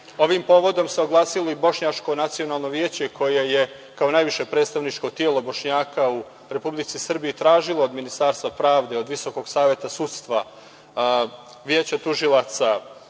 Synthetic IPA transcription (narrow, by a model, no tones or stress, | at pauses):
o̞ʋimpo̞ːʋo̞d̪o̞mseo̞ɡlˠaːsilo̞ibo̞ʃɲat͡ʃko̞nat̪sio̞naːlˠno̞ʋjeːt͡ɕekʰo̞je̞je | kao̞najʋiʃe̞pɾet̪st̪aʋnit͡ʃko̞t̪jeːlˠo̞bo̞ʃɲaːkau | ɾe̞publit̪sisr̩biit̪ɾaːʒilˠoːd̪minist̪aɾst̪ʋapɾaːʋd̪e̞o̞d̪ʋiso̞ko̞ɡ̥saːʋje̞t̪asut̪st̪ʋa | ʋjeːt͡ɕat̪uʒilˠat̪sa